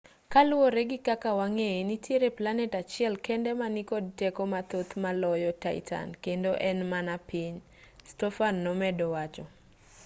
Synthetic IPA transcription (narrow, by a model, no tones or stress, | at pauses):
kalwoɾeɡɪkakawaŋeenitjeɾeplanɛtat͡ʃɪɛlkɛndɛmanikod̚tɛkɔmat̪ot̪malɔjɔtaɪ̰tʰa̰nkendoʔɛnmanapiɲ | stɔfanːɔmɛdɔwat͡ʃɔ